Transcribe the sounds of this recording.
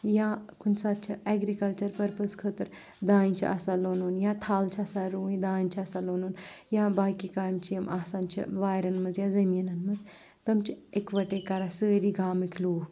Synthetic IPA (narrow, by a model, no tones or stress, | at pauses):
jãkunsad̪̚t͡ʃʰɐɛɡɾikɐlt͡ʃɐɾpɐɾpəskʰəːt̪əɾ | d̪aːĩnt͡ʃʰiʔɐ̰saloːnoːnjãt̪ʰaːlt͡ʃʰɐsaɾuːd̪aːint͡ʃʰɐsaloːnoːnjãbaːkikaːjmt͡ʃʰijɐmaːsant͡ʃʰḭʋaːjɾɐnmɐzjaːzɐminɐnmɐd͡z | t̪ɐmt͡ʃʰekʋɐʈekaɾasəːɾiɡaːmikʲʰluːh